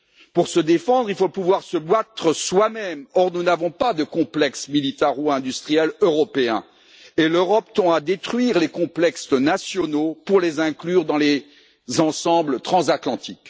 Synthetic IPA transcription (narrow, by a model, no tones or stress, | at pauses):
puʁsəd̪efɑ̃d̪ʁilfopuvwaʁsəbat̪χəswamɛmɔʁnunavɔ̃pad̪əkɔ̃plɛksmilit̪aʁoɛ̃d̪yst̪χijɛløʁɔpeɛ̰̃ | eløʁɔpt̪ɔ̃ad̪et̪χɥiʁlekɔ̃plɛkst̪nasjɔnopuʁlezɛ̃klyːʁd̪ɑ̃le | zɑ̃sɑ̃blət̪χɑ̃zat̪lɑ̃t̪ʰik